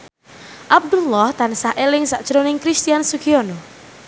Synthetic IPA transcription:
ʔab̚d̪ulːɔht̪ansaʔelɪŋsaʔd̥ʒ̥əɾonɪŋkɾist̪ijansukiono

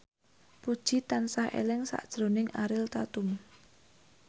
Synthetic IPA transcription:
pud̥ʒ̥it̪ansahʔḛlɛŋsa̰ʔd̥ʒ̥ɾonɪŋʔaɾɪlt̪at̪ʊm

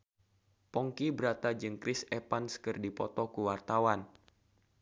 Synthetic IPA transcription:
pɔŋkibəɾat̪ad͡ʒɨŋkɾɪsɛpanskɨrdipɔt̪ɔkuwart̪awan

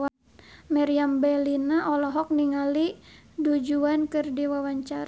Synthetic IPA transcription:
anmaɾiambɛlinaʔɔlɔɦɔk̚niŋali | dud͡ʒuankɨrdiwawaɲt͡ʃaɾ

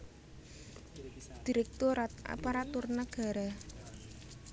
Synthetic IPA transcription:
d̪̥i̤ɾɛk̚t̪ʊɾaa̰paɾat̪ʊrnaɡ̥a̤ɾa

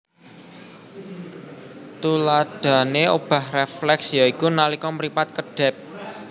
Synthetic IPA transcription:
t̪ulad̥a̤neob̥a̤hreflɛksjaikunalikɔməɾipat̪̚kəɖ̥ɛ̤p̚

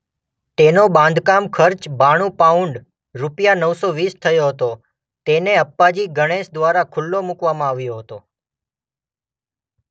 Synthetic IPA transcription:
t̪enobãnd̪ʱkamkʰəɾt͡ʃbaɽ̃ũpauɳɖ | ɾupjanəʋsoʋist̪ʰəjoɦət̪o | t̪eneəpːad͡ʒiɡəɽ̃esd̪ʋaɾakʰʊlːomukʋamãaʋjoɦət̪o

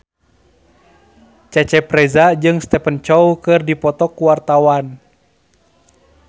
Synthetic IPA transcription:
t͡ʃɛt͡ʃɛpɾɛzad͡ʒɨŋst̪ɛpənt͡ʃɔwkɨrdipɔt̪ɔkuwart̪awan

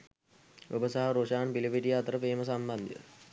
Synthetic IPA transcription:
ubəsaɦaɾoʂaːnpilipiʈijəːt̪əɾəpeːməs̬amband̪ijə̰

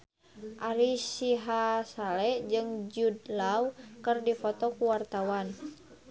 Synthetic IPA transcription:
ʔaɾisiɦasalɛd͡ʒɨŋd͡ʒudlaukɨrdifɔt̪ɔkuwart̪awan

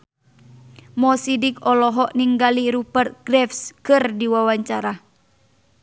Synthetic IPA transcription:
mɔsidikɔlɔɦɔʔniŋɡaliɾupərt̪̚ɡ̥rɛfskɨrdiwawaɲt͡ʃaɾa

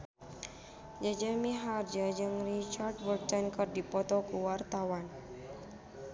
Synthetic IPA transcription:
d͡ʒad͡ʒamiɦard͡ʒad͡ʒɨŋrit͡ʃard̚bərt̪ɛnkərdipɔt̪ɔkuwart̪awan

